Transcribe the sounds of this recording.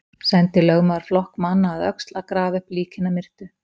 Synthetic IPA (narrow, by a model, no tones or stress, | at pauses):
sɛnt̪ɪlœɣmaɾ̥flɔhkmanːaːðœ̰kst̪lakɾaːvʏhpliːcʰɪnamɪr̥t̪ʏ